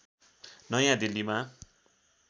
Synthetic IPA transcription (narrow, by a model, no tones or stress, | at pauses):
nʌjãd̪ilːima